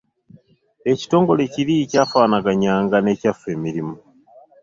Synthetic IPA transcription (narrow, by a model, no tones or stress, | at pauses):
e̞ci̥to̞ːŋɡo̞leciɾicaːfaːnaɡaɲaːŋɡane̞ːcafe̞ːmiɾimo